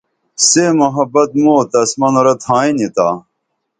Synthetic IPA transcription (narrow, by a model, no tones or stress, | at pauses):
seːmɐɦɐbɐt̪̚moːt̪ɐsmɐnoɾɐt̪ʰãːinit̪aː